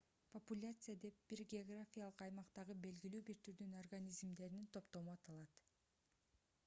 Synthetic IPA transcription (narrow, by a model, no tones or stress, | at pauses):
pʰəpulʲat̪sɨjad̪e̞p̚b̥iɾɡʲeoɡrafʲijalˠɯqɑjmɑqt̪ɑʁɯbe̞lɡʲilyːbiɾt̪yɾd̪ynorɡanʲizmd̪e̞ɾinint̪ʰo̞pt̪o̞muɑt̪ɑlˠɑt̪